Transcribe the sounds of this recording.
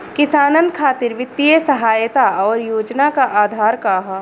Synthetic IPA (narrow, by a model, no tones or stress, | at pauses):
kɪsaːnənkʰaːt̪ɪɾʋɪt̪ːijəsɐɦaːjt̪aɔːɾjoːd͡ʒnakaʔaːd̪ʱaːɾkaːɦa